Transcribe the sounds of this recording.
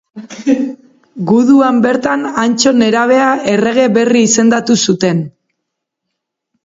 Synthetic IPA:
ɡuðuambe̞ɾt̪anant͡ʃo̞ne̞ɾaβ̞e̞ae̞re̞ɣ̞e̞βe̞riːse̞nd̪at̪usut̪e̞n

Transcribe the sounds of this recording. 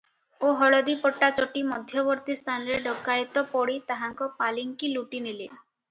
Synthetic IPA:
oɦɔɭɔd̪ipɔʈːat͡ʃɔʈimɔd̪ʱjɔbɔɾt̪ist̪ʰanɔɾeɖɔkːajt̪ɔpɔɽit̪aɦaŋkɔpaliŋkiluʈinile

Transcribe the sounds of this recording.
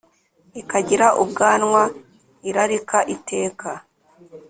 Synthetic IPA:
ikaɟiɾaʔubɡaːnŋwa | iɾaɾikaʔitʰe̞ːka

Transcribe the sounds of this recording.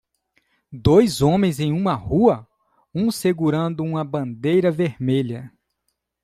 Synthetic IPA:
d̪ojzõmẽj̃zẽj̃ũmɐhuɐ | ũseɡuɾɐ̃nd̪ʊũmɐbɐ̃nd̪ejɾɐveɾmeʎɐ

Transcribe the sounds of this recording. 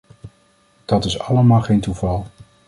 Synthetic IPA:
d̥ɑtɪsɑləmaːlˠχejntuvɑlˠ

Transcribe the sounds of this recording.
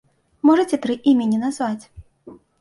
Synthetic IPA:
mɔʐɐt͡sʲɛt̪ɾɨʔimʲɛnʲinazvat͡sʲ

